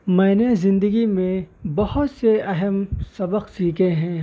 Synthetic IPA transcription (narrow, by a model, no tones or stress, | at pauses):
mɛ̃ːnezɪ̃nd̪əɡimẽbɐhʊt̪seɐɦəmsɐbəqsiːkʰeɦɛ̃ː